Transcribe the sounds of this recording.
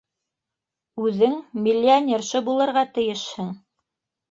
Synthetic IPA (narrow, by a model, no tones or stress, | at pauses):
ʉðɘŋmilʲːianʲerʃɤbulˠɤ̆ɾʁɑt̪ɘ̆jɘʃhɘŋ